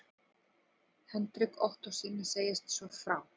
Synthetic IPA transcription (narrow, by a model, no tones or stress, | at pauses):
hɛnt̪ɾɪkɔht̪ɔsiːnːɪseːjɪst̪svɔfɾaːw